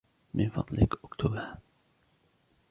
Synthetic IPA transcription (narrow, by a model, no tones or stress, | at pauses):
mɪnfɑ̰d̪ˤlɪkʔʊkt̪ʰuba